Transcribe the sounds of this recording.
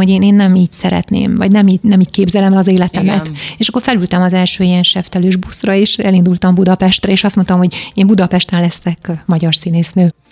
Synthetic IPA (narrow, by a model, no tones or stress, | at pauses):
oɟeːneːnːɛmiːcsɛɾɛ̰t̪nḛːmvɒ̰ɟnɛmiːnɛmiːckeːbzɛlɛmɛlɒzeːlɛt̪ɛmɛt̪eːʃɒkːorfɛlylt̪ɛmɒzɛlʃøːijɛnʃɛft̪ɛløːʒbusrɒeʃɛlind̪ult̪ɒmbud̪ɒpɛʃt̪rɛeːʃɒst̪mo̞nt̪omɦoɟeːmbud̪ɒpɛʃt̪ɛmlɛst̪ɛkmɒɟɒrsiːneːsnøː